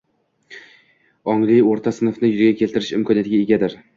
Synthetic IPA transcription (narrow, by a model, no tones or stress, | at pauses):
ɒŋlˠɪjoɾt̪ʰasɪnɨfnɪjʊzɪɡʲakʲʰe̞lt̪ʰɪɾɪʃɪ̰mkʰɒnijat̪ɪɡʲaeɡʲad̪ɪɾ